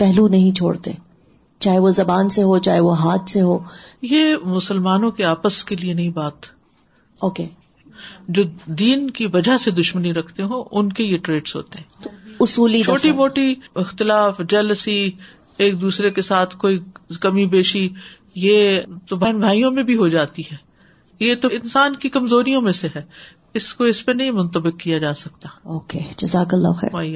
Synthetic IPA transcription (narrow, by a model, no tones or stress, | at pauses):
pɛɦlunɐɦĩt͡ʃʰo̰ːɽt̪ḛː | t͡ʃaːɦeʋozɐbaːnseɦot͡ʃaːɦeʋoɦaːt̪seɦoːjemʊsəlmaːnõkeaːpəskelienɐɦĩbaːt̪ | oːkeː | d͡ʒoːd̪iːnkiʋɐd͡ʒʱased̪ʊʃməniɾɐkʰt̪eɦõːʔʊnkejeʈɾeːɖsɦo̰ːt̪eɦɛ̃ːt̪oʊsuːlit͡ʃoːʈimoːʈiɪxt̪ɪlaːfd͡ʒɛːləsi | eːk̚d̪uːsɾekesaːt̪ʰkoːikɐmibeːʃi | jet̪obʱaːnbʱaːijõmẽbʱiɦod͡ʒaːt̪iɦɛː | jet̪oɪnsaːnkikɐmzoːɾijõmẽseɦɛː | ɪskoɪspɐnɐɦĩmʊ̃nt̪əbɪkːijad͡ʒaːsɐkt̪aːoːkeːd͡ʒɐzaːklːa̰xɛ̰ːɾaːi